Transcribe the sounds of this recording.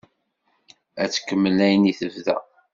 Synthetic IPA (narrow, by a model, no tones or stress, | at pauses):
æt͡sːə̥kːəmːəlæjəniθəvðæ̰